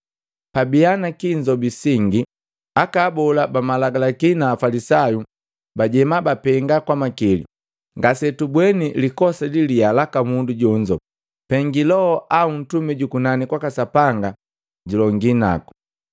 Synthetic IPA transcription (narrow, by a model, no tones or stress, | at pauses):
pabianakiɲd͡ʒɔbisiŋɡi | akaːbɔlabamalaɡalakinaːfalisaju | baɟɛmabapɛŋɡakwamakilḭ | ŋɡasɛtubwɛnilikɔsalilialakamunduɟɔɲd͡ʒɔ | pɛŋɡilɔɔʔaun̩tumɛɟukunanikwakasapaŋɡa | ɟulɔŋɡina̰ku̥